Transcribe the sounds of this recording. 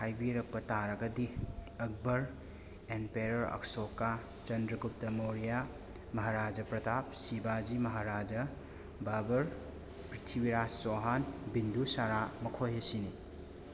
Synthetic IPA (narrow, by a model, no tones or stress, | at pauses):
hʰajbiɾɐk̚pɐtaɾɐɡɐdiɐk̚bɐɾ | enpeɾɐɾɐ̰ksoka | t͡ʃɐndɾɐɡup̚tɐmoɾija | mɐɦaɾad͡ʒɐpɾɐtʰap̚sibad͡ʒimɐɦaɾad͡ʒɐ | babɐɾ | pɾitʰiwiɾad͡ʒsoɦanbindusaɾamɐkʰojɦesini